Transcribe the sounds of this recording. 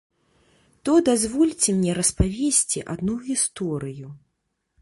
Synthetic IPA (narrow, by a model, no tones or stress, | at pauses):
t̪ɔd̪azvɔlʲt͡sʲɛmnʲɛɾɐspavʲesʲt͡sʲiʔa̰d̪nuɣʲist̪ɔɾɨju